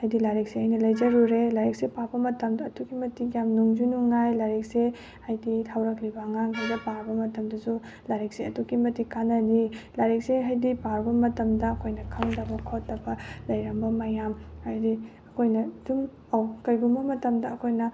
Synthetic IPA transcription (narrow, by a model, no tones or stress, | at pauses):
hajdilaɾik̚sehajnɐlɐjd͡ʒɐɾuɾelaɾek̚sepabɐmɐtɐmdɐːtuɡimɐtikjamnuŋd͡ʒunuŋajlaɾek̚se | hajditʰawɾɐk̚libɐɐŋaŋɡajbɐpaɾbɐmɐtɐmdɐsu | laɾek̚seɐtuɡimɐtikanɐdilaɾik̚seɦajdipaɾbɐmɐtɐmdɐɐkʰojnɐkʰɐmdɐbɐkʰotːɐbɐlɐjɾɐmbɐmajamajdiɐkʰojnɐd̥um | awkɐjɡumbɐmɐtɐmdɐːkʰojnɐ